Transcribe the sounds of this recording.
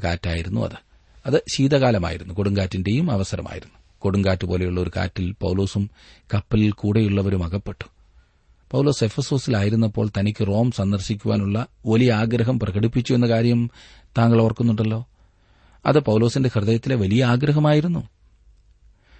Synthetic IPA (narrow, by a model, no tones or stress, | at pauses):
ka̰ːtːaːjiɾunːṵɐ̰ðɨ | ɐðɨɕiːd̪ɐɣaːlɐma̰ːjiɾunːuko̞ɽuŋɡaːtːinde̞jumɐʋɐsɐɾɐ̰ma̰ːjḭɾunːu | ko̞ɽuŋɡaːtːupo̞ːle̞juɭːɐo̞ɾuka̰ːtːilpɐ̰wlo̞ːsum | kɐpːɐlilkuːɽe̞juɭːɐʋɐɾumɐɣɐpːe̞ʈːu̥ | pɐwlo̞ːse̞fɐso̞ːsilaːjiɾunːɐpːo̞ːɭt̪ɐnikʲːɨro̞ːmsɐnd̪ɐrɕikʲːuʋa̰ːnuɭːɐʋɐlijɐaːɡɾɐɦɐmprɐɣɐɽipːit͡ɕːue̞nːɐkaːɾjɐm | t̪aːŋɡɐɭoʋɐrkːunːuɳɖɐlːo̞ː | ɐ̰ðɨpɐwulo̞ːsinde̞hrɨðɐjɐt̪ːile̞ʋɐlijɐaːɡɾɐɦɐmaːjiɾunːu